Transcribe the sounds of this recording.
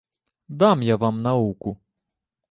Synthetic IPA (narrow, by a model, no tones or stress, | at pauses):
d̪ɑmjaʋɑmnɐukʊ